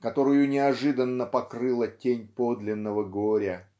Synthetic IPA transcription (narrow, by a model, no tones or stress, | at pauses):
kɐt̪o̞ɾʊjʊnʲɪɐʐɨd̪ənːəpɐkrɨlˠətʲenʲpo̞d̪lʲɪnːəvəɡoɾʲə